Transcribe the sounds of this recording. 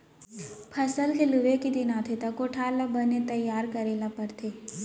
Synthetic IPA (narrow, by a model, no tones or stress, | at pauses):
pʰɐsəlkeluʋekid̪ɪnat̪ʰet̪akoʈʰaːlabənet̪ɐjːaːɾkɐɾeːlapəɾt̪ʰeː